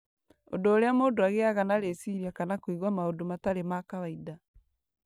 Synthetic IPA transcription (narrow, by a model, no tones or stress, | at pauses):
o̰doːɾeamoːndoaɣeaɣanaɾesiɾiakanakwiɣwamaodomataɾemakaβaida